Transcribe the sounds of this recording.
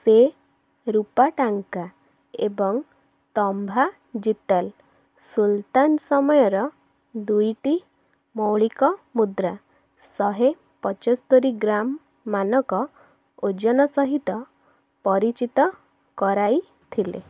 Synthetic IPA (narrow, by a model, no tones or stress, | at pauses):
se | ɾupaʈaŋka | ḛbɔŋ | t̪ɔmbʱa | d͡ʒit̪al | sult̪ansɔmɔjɔɾɔ | d̪ujʈi | mɔwɭikɔmud̪ɾa | sɔɦe | pɔt͡ʃɔst̪oɾiɡɾamː | anɔkɔ | od͡ʒɔnɔsɔɦit̪ɔ | pɔɾit͡ʃit̪ɔ | kɔɾaj | t̪ʰilḛ